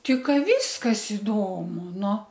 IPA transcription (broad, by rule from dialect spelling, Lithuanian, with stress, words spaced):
ˈtʲɪ ˈkɑː ˈʋʲiːskɐs ɪˈdoːmʊ ˈnʊ